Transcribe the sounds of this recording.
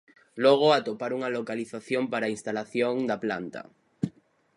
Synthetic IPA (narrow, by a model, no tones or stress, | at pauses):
loɣ̞oat̪opaɾuŋalokaliθaθjompaɾainst̪alaθjoŋd̪apla̰nt̪a̰